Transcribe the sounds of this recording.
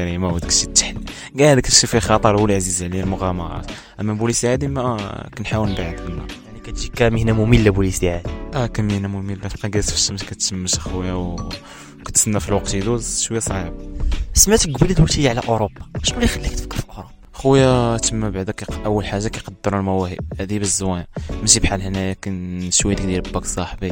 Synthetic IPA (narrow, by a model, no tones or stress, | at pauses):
æɾimawæd̪ək̚t̪ʃit̪ːħl | ɡæʕæd̪əkt̪əʃifixɑt̪ˤəɾˤwəlʕazizʕlilmʊɣɑmɑ̰ɾˤɑ̰t̪ | ʔəmːæbuləst̪iʕad̪imækænħawəlnbaʕəd̪ənːɑ̰jaʕnikæt̪ʒikːæməhnæmʊmilːæbuləst̪iʕad̪iʔækæməhnæmʊmilbæʃqɑɡæt̪fəʃəmʃkæt̪səmːəʃxwjaw | kæt̪sənːæfilwɑq̚t̪id̪uzʃwəjæsˤɑʕəbsəmæt̪ɡbælit̪ijʕlæʔoɾobːɑʃmælixælːikt̪fə̥kːəɾfiʔʊxɾˤɑ | xwjæt̪əmːæbaʕd̪ækæʔəwːəlħaʒːakæjqɑd̪ːəɾˤəlmæwæhə̰bhæd̪ibəzːwænmæʃibħalhnæjækænʃwæd̪kd̪iɾbːæksˤɑħbi